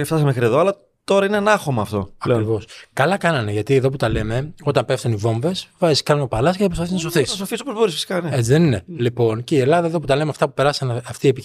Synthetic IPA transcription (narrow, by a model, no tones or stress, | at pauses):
eft̪ɐsɐmexɾieðoɐlɐ | t̪o̞ɾɐineɐnɐxo̞mɐːft̪o̞̰ɐlkɾivo̞skɐlɐkɐnɐne̞ʝɐt̪ieðo̞p̬ut̪ɐle̞me̞o̞t̪ɐmpeft̪univo̞ɱve̞svɐskɐnunopɐlɐsceɐpɾospaθiznɐs̬oθisɐsofisopozbo̞ɾisfisi̥kɐneet͡siðeninelipo̞nceie̞lɐðɐeðo̞p̬ut̪ɐle̞meɐft̪ɐpupe̞ɾɐsɐnɐft̪iepi